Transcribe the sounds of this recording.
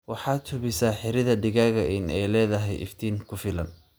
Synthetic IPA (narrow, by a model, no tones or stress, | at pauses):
wɑħɑːt̪hʊβɪsaːħɪɾɪðɐɖɪɣaːɣɐɪnɛjlɛːðɐɦɛjʔɪ̰ft̪ʰiːŋkʰʊfɪlɐ̰n